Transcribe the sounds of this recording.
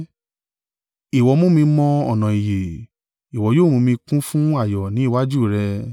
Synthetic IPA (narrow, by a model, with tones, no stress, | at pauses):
i˨wɔ˨˧˦mõ˦mĩ˧mɔ̃˧ɔ˨nã˨i˨je˨ | i˨wɔ˨˧˦joː˦˨ɾ̃ũ˧mĩ˧kũ˦fũ˦a˦˨jɔ˨nĩ˨˦˨wa˦d͡ʒu˦˨ɾɛ˧